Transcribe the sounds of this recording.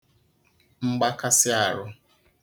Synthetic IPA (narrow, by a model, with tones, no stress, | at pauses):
ŋ͡m̩˦ɡ͡ba˦ka˦sɪ˦a˨ɾʊ˦